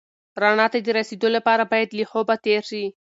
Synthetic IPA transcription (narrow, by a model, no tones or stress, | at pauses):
ɾɑɳɑt̪ad̪əɾased̪olapɑɾabɑjad̪lixobat̪eɾʃi